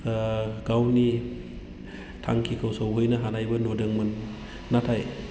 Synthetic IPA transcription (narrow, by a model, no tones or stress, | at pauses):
ɡ̥awni | tʰa̰ŋkʰikʰawsawɦɯjnaɦanajbɯnodɯŋmɯnː | atʰaj